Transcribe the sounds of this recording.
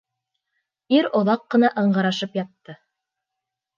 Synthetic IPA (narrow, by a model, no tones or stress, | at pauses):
iɾŏðɑqːɤ̆nɑʔɤ̆ɴɢɑɾɑʃɤpjɑt̪ːɤ